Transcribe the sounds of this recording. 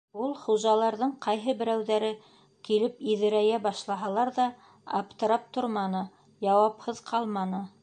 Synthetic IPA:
ulˠχuʒɑlˠɑɾðɤɴqʰɑjɦɤbɘ̆ɾæwðæɾɘ | kilɘpiðɘ̆ɾæjæbɑʃlˠɑɦɑlˠɑɾðɑː | pt̪ɤ̆ɾɑp̚t̪oɾmɑnɤ | jɑwɑphɤðqʰɑlˠmɑnɤ

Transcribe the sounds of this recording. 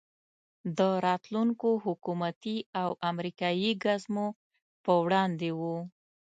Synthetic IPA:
d̪əɾɑt̪luŋkohʊkumat̪iawʔamɾikɑjiɡazmo | pəwɽɑnd̪ewu

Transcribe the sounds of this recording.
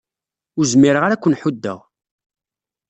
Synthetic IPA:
ʊɾzmːiɾəʁaɾækʷːənħud̪ːə̰ʁ

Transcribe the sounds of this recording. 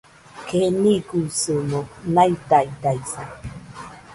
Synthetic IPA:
keniɡusɨmõnajt̪ait̪aisa

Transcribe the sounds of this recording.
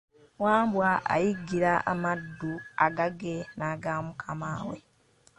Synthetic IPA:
waːmbwaʔa̰jiɡːiɾaʔa̰madːuaɡaɡenaːɡamukʰamaːwe

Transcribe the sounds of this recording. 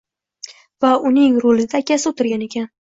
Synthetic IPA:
vaʊnɪŋɾolɪd̪aːkʲʰasɪot̪ʰɪɾɡʲane̞kʲʰan

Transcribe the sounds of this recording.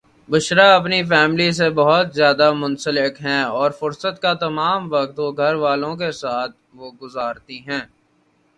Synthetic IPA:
bʊʃɾaɐp̬nifɛːmlis̬ebɐɦʊt̪zjaːd̪amʊ̃nsəlɪkɦɛ̃ːɔːɾfʊɾsət̪kat̪ɐmaːmʋɐkt̪oɡʱɐɾʋaːlõkesaːt̪̚ʰʋoɡʊzaːɾt̪iɦɛ̃ː

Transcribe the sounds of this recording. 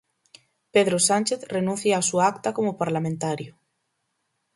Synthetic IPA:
peðɾosanʲt͡ʃeθrenũn̟θjaːsuaakt̪akomʊpaɾlamẽnt̪aɾjʊ

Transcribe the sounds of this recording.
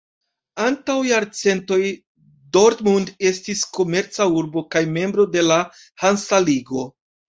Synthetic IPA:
antawjaɾt͡se̞nto̞j | do̞ɾtmunde̞stisko̞me̞ɾt͡sauɾbo̞kajme̞mbɾo̞de̞la | hansaliɡo̞

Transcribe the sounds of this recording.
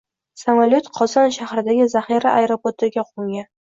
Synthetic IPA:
samalʲot̪qʰɒzɒnʃahɾɪd̪aɡʲɪzaχiɾaʔajɾopoɾt̪ʰɪɡʲaqʰoŋɡʲan

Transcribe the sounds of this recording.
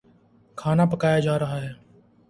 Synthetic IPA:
kʰaːnaːpəkaːjaːd͡ʒaːɾɐɦaːɦɛː

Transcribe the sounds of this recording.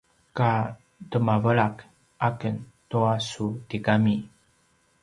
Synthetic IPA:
ka | təmavəɭak | ʔakəntoasutikami

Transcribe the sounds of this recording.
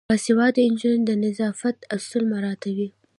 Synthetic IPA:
əsɪwɑd̪ɪnd͡ʒand̪ənɪzɑfat̪ast̪əlmaɾɑt̪awi

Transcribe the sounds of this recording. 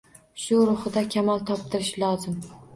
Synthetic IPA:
ʃʊɾʊχɨd̪akʲʰamɒlˠt̪ʰɒp̚t̪ʰɪɾɪʃlˠɒzɪm

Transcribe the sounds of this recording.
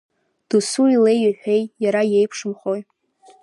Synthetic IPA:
d̥usuile̞jiħʷᶣe̞jjaɾaje̞jpʰʂɨmχo̞j

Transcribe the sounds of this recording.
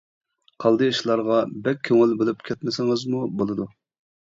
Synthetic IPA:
qʰɑlˠd̪ɨjiʃlˠɑɾʁɑbɛk̚ʲʰːøŋɪlbelɪpkʲʰɛt̪mɪsɪŋɨzmubolˠɨd̪u

